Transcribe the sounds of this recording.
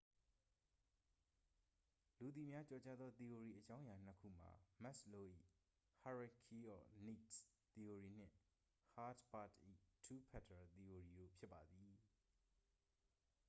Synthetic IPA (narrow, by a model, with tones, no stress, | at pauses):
lu˨d̪i˨mja˦t͡ɕɔ˨t͡ɕa˦d̪ðɔ˦t̪i˨o˨ɹi˨ʔət͡ɕã˦ʊ̃ja˨n̥əkʰṵ˦˨m̥a̰˨mɛ˦ʔslo˦ʔḭ˦˨ | ha˨ɹa˨kʰi˦ɔ˨ni˦˨tt̪i˨o˨ɹi˨n̥ɪ̰̃˦˨ | ha˦tba˦˨tʔḭ˦˨tʰu˦pʰɛ˦˨tʰə˨t̪i˨o˨ɹi˨ɾo̰˦˨pʰjɪ˦pːa˨d̪i˨